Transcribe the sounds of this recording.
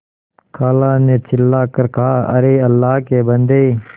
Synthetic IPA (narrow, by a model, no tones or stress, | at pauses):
kʰaːlaːneːt͡ʃʰɪlːaːkəɾkaaːə̰ɾeːəlːaːɦkeːbənd̪e